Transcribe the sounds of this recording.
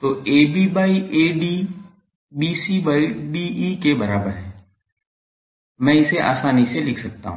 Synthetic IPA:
t̪oːeːbibaːiʔeːɖi | biːsibaːibiːikebɐɾaːbəɾɦɛː | mɛ̃ɪseʔa̰ːsaːniselɪkʰsɐk̚t̪a̰ɦũ

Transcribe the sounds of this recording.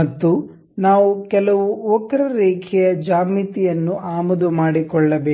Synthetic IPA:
ɐt̪ːu | naːʋukɛlɐʋuɔkɐɾɐɾɛːkʰɛjɐd͡ʒaːmit̪ijɐnːuʔaːmɐd̪umaːɽikɔɭːɐbeː

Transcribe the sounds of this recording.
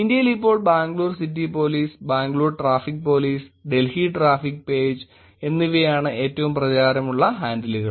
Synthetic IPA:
indjɐjilipːo̞ːɭbaːŋɡɭuːrsitːipo̞ːliːsbaːŋɡɭuːrʈraːfik̚ːpo̞ːliːsɖe̞lhiʈraːfikːpeːd͡ʑɨ | e̞nːiʋijaːɳɨʔe̞ːtːɐʋumprɐt͡ɕaːɾɐmuɭːɐɦaːndiliɣɐɭ

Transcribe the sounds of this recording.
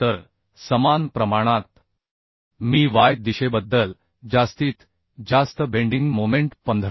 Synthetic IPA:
t̪əɾ | səmanpɾəmaɽ̃at̪ | miːʋajt̚d̪iɕebəd̪ːəl | d͡ʑast̪iːt̪ | d͡ʑast̪əbeɳɖiŋɡmomeɳʈpənd̪ʱɾ

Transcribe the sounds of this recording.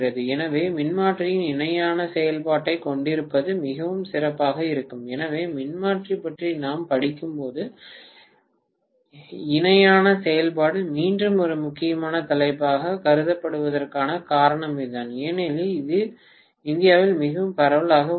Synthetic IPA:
ɾɐðɯɛnɐʋeːmɪnmaːʈrɪjɪnɪnɐjaːnɐsɛjɐlpaːʈːɐɪkɔɳɖɪɾɯpːɐðɯmɪɣɐʋɯmsɪɾɐpːaːɣɐɪɾɯkːɯmɛnɐʋeːmɪnmaːʈripɐʈrinaːmpɐɽɪkːɯmpoːðɯ | ɪnɐjaːnɐsɛjɐlpaːɽɯmiːndrɯmɔɾɯmʊkːɪjɐmaːnɐt̪ɐlɐɪpːaːɣɐkɐɾɯðɐpːɐɽɯʋɐðɐrkaːnɐkaːɾɐɳɐmɪðaːneːnɛlɪðɯ | ɪnd̪ɪjaːʋɪlmɪɣɐʋɯmpɐɾɐʋɐlaːɣɐ

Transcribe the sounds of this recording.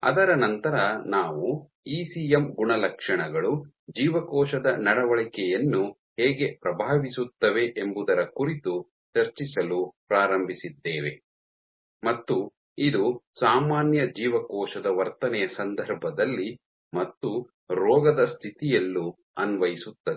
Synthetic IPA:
ɐ̰d̪ɐɾɐnɐnt̪ɐɾɐnaːʋu | iːsijemɡuɳɐlɐkʂɐɳɐɡɐɭu | d͡ʒiːʋɐkɔːʃɐd̪ɐnɐɽɐʋɐɭikɛjɐnːu | hɛːɡe̞pɾɐbʱaːʋisut̪ːɐʋe̞ʔembud̪ɐɾɐkuɾit̪u | t͡ʃɐɾt͡ʃisɐlupɾaːɾɐmbʱisid̪ːeːʋe̞̰ | mɐt̪ːu | id̪usaːmaːnjɐd͡ʒiːʋɐkɔːʃɐd̪ɐʋɐɾt̪ɐnɛjɐsɐnd̪ʱɐɾbʱɐd̪ɐlːi | mɐt̪ːu | ɾɔːɡɐd̪ɐst̪ʰit̪ijɐlːu | ɐnʋɐjisut̪ːɐd̪e

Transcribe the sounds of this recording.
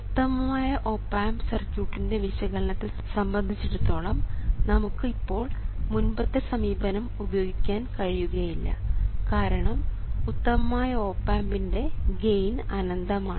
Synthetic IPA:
ut̪ːɐmɐmaːjɐʔo̞ːpːaːmbsɐrkʲjuːʈːinde̞ʋiɕɐɣɐɭɐɳɐt̪ːil | sɐmbɐnd̪ʱit͡ɕːiʈut̪ːo̞ːɭɐmnɐmukːɨipːo̞ːɭmunbɐt̪ːɐsɐmiːbɐnɐmubɐjo̞ːɡikʲːaːnkɐɻijuɣɐjilːɐ̰kaːɾɐɳɐm | ut̪ːɐmɐmaːjɐo̞ːpːaːmbinde̞ɡejnɐnɐnd̪ɐmaːɳ

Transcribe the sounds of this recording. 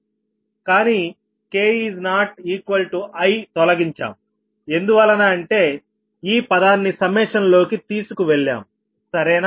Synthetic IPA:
kaːniː | keːiːznaːʈiːkʋɐlʈuʔɐjt̪ɔlɐɡiɲt͡ʃa̰ːm | e̞nd̪uʋɐlːɐnaːɐɳʈe̞ː | iːpɐd̪aːnːisɐmːɛːʂɐnlo̞ːkit̪iːsukuʋeɭːa̰ːm | sɐɾɛːna

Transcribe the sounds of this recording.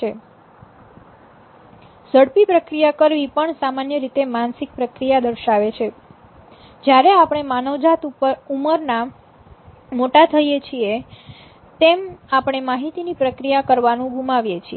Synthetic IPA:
e | zəɽpipɾəkɾijakəɾʋipəɳsamanjəɾit̪emansik̚pɾəkɾijad̪əɾʃaʋet͡ʃʰe | d͡ʒjaɾeapəɳ̃emanəʋd͡ʒat̪uuməɾna | moʈat̪ʰəjet͡ʃʰie | t̪emapɽ̃emaɦit̪inipɾəkɾijakəɾʋanũɡumaʋjet͡ʃʰie

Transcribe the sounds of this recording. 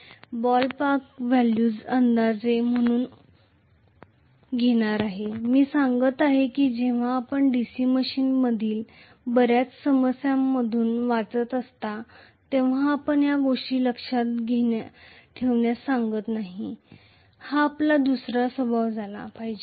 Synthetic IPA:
bɔlpakʋɛljuːd͡zənd̪ad͡zem̤əɽ̃uːn | ɡʱeɽ̃aɾaɦemiːsaŋɡət̪aɦekiːd͡ʑeʋ̤aːpəɳɖisiməɕiːnməd̪ʱiːl | bəɾjat͡ssəməsjamːəd̪ʱuːnʋat͡sət̪əst̪a | t̪ẽʋ̤aːpəɳjaɡoʂʈiːləkʂat̪ɡʱeat̪ʰeʋɳjasaŋɡət̪naɦi | haːplad̪usɾasəbʱaʋd͡zʱala̰paɦid͡ʑe

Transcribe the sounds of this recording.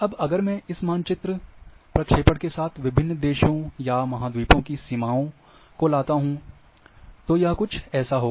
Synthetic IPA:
ɐbɐɡəɾmɛ̃ʔɪsmaːnt͡ʃɪt̪ɾəpɾɐkʃeːpəɽkesaːt̪ʰʋɪbʱɪnːd̪eːʃõjamɐɦaːd̪wiːpõkisimaːõ | kolaːt̪aɦũ | t̪ojɐɦkʊt͡ʃʰɛːsaɦoː

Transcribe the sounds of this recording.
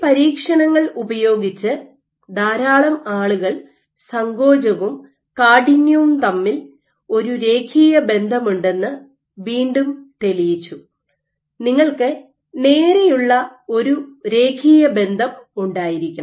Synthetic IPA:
pɐɾiːkʂɐɳɐŋːɐɭubɐjo̞ːɡit͡ɕːɨ | d̪ʱaːɾaːɭɐmaːɭuɣɐɭ | sɐŋɡo̞ːd͡ʑɐʋum | kaːɖinjɐʋumt̪ɐmːil | o̞ɾuɾe̞ːkʰiːjɐbe̞nd̪ʱɐmuɳɖe̞nːɨ | ʋiːɳɖumt̪e̞lijit͡ɕːu | niŋːɐɭkɨ | ne̞ːɾejuɭːɐo̞ɾuɾe̞ːkʰiːjɐbe̞nd̪ʱɐmuɳɖaːjiɾikʲːuɳɐm

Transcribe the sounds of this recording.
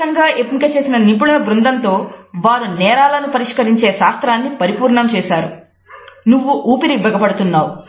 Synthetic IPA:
ɐŋɡaːʔepnikɐt͡ʃe̞ːsinɐnip̬uɽɐbɾund̪ɐnt̪o̞ːʋaːɾunɛːɾaːlɐnupɐɾiʂkɐɾiɲt͡ʃe̞ːʃaːst̪ɾaːnːipɐɾipuːɾɳɐmt͡ʃɛːʃaːɾu | nuʋːuʔuːpiɾibɛɡɐpɐɽut̪unːaːwu

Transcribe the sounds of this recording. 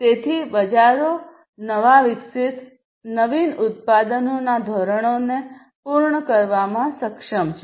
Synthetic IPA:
t̪et̪ʰibəd͡ʒaɾo | nəʋaʋɪksit̪ | nəʋinʊt̪̚pad̪ənonad̪ʱoɾəɳ̃one | puɾɳəkəɾʋamãsəkʂəmt͡ʃʰe

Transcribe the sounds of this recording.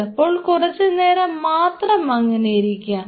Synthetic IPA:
ɐpːo̞ːɭkurɐt͡ɕːɨne̞ːɾɐmaːt̪rɐmɐŋːɐnejiɾikkʲːa

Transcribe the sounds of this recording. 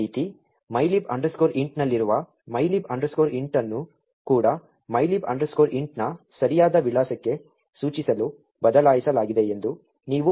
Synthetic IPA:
it̪i | mɐjlibɐ̰ɳɖɾɐsko̞ːɾiɳʈnɐlːiɾuʋɐ | mɐjlibɐɳɖɾɐskoːɾiɳʈɐnːu | kuːɽɐ | mɐjlibɐ̰ɳɖɾɐskoːɾʔiɳʈnɐsɐɾijaːd̪ɐʋiɭaːsɐkːe̞ | suːt͡ʃisɐlu | bɐd̪ɐlaːjisɐlaːɡid̪e̞end̪u | niːʋu

